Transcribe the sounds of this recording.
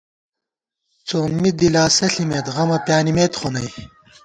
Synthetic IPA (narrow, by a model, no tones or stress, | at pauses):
t͡soːmid̪ilaːsɐɬimeːt̪ʁɐmɐpʲjaːnimeːt̪χonɐj